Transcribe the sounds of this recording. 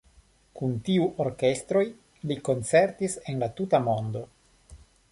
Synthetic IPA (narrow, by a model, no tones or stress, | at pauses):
kuntiuʔo̞ɾke̞st̪ɾo̞j | liko̞nt͡seɾt̪ise̞nlat̪utamo̞nd̪o̞